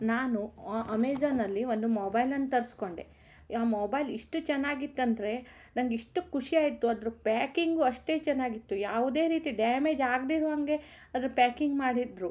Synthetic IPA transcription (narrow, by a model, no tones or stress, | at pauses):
naːnuʔɐmeːd͡ʒaːnɐlːiʋo̞nd̪umoːbɐjlɐnt̪ɐɾisko̞ɳɖḛ | aːmoːbɐjliʂʈut͡ʃɛnːaːɡit̪ːɐnd̪ɐɾe̞ | nɐŋɡiʂʈukuʂiaːjit̪ːuɐd̪ɐɾupaːkiŋɡuɐʂʈe̞ːt͡ʃɛnːaːɡit̪ːujaːʋud̪e̞ːɾiːt̪iɖaːme̞ːd͡ʒaːɡd̪iɾuɦɐŋɡe̞ | ɐd̪ɐɾupjaːkiŋɡmaːɽid̪ɾu